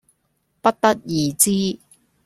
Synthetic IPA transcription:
pɐ˥t̚t̪ɐ˥k̚jiː˨˩t͡siː˥

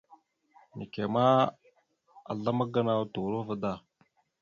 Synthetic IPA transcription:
ni˨ke˨ma˦ | a̰˨ɮa˦ma˦ɡa˦na˦tu˨ɾo˦və˦da˦˨

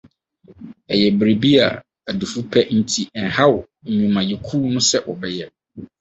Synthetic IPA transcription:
ɛ˨jɛ˨bɾe˨bi˦a̰˨ | a˨du˨fu˦pʰɛ˦n̩˦tʰi˦ɛ˨nha˦w̩˨ɲĩ˨mã˨jɪ˨kʰuː˦nʊ̃˦sɛ˦wʔɔ˨bɛ˦jɛ˦

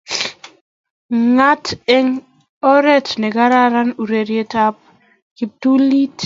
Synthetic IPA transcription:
ŋa˦tɛ˦ŋ | ɔ˦ɾɛ˦tnɛ˨ɡa˦ɾa˦ɾa˦nu˨ɾe˨ɾje˦ta˦p̚ | ki˨p̚tu˦li˦t

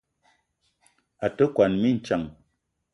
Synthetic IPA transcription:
a˨tə˦kwa˨nmi˦n̩˨t͡ʃa˨ŋ

